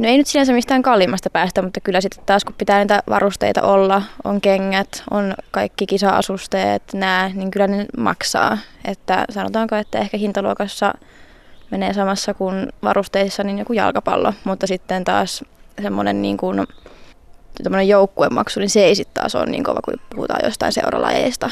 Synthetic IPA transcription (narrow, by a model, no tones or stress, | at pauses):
noeinyt̪sihænsemist̪æːŋkɑlːimɑst̪ɑpæːst̪æmut̪ːɑkylːæsit̪ːe̥t̪t̪ɑːskuppit̪æːniːt̪æʋɑ̰rust̪ḛit̪ɑ̰ʔolːɑo̰ŋkeŋːæt̪ʔo̰nkɑikːikisɑɑ̰sust̪ḛːt̪næːniŋkylːænemɑ̰ksɑ̰ːʔet̪ːæ̰sɑno̰t̪ɑːŋkoet̪ːæehkæhint̪ɑluokɑsːɑ̰ | meneːsɑmɑsːɑkunʋɑ̰rust̪eisːɑninjokujɑ̰lkɑpɑ̰lːomut̪ːɑsit̪ːent̪ɑ̰ːssemːonennḭːŋkun | t̪omːonejoukːuemmɑ̰ksuninseeisit̪t̪ɑ̰ːso̰nnḭːŋkoʋɑkupuhṵt̪ɑ̰ːjo̰st̪ɑinsḛurɑ̰lɑ̰jḛist̪ɑ